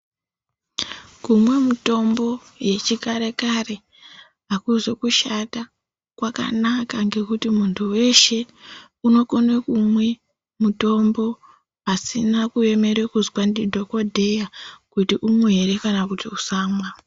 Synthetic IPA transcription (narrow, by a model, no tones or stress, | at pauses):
kumwe̞muto̞mbo̞ | je̞t͡ʃikaɾe̞kare̞ | akuzo̞kuʃata | kwaka̰nakaŋɡe̞kutimuntʰuwe̞ʃe̞ | uno̞ko̞nwekumwe̞ | muto̞mbo̞ | asinakue̞me̞ɾwekuzwandidʱo̞ko̞dʱe̞jakutiʔumuɦe̞ɾe̞kanakutiusaːmwa